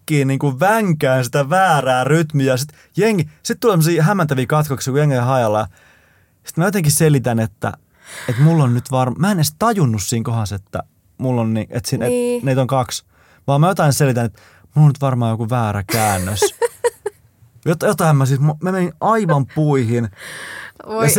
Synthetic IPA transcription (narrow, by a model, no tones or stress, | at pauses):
kːiːniːŋkuʋæŋkæːnsit̪æʋæːræːryt̪myæjɑsit̪ | jeŋːisit̪t̪ulːsemsiːɦæmːænt̪æʋiːkɑt̪koksjokujeŋːejɑhɑjɑlːɑjɑ | si̥t̪mæjot̪ẽŋkisselit̪ænet̪ːæ̰ | et̪mulːonnyt̪ʋɑrmmæenest̪ɑjunːussiːŋkohɑset̪ːæ̰ | mulːonniʔet̪siːneneit̪oŋkɑks | ʋɑːmæjot̪ɑinselit̪ænet̪ | mulːonyt̪ʋɑrmɑːjokuʋæːɾækæːnːøs | jot̪jot̪ɑimmɑsitmomæmeninɑiʋɑmpuihin | jɑ